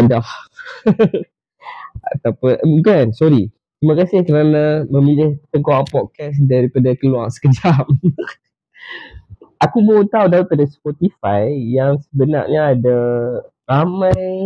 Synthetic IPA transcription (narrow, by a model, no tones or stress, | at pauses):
adah | a̰t̪apəʔɡansɔɾi | t̪ɾimãkasɪhkəɾanaməmilɪht̪əŋkoapɔt̪̚kɛs̬daɾipadakəluaŋsə̥kəd͡ʒam | ʔakubəut̪awdaɾipadaspɔt̪ifajjaŋsəbəna̰ʔɲaːda | ramãj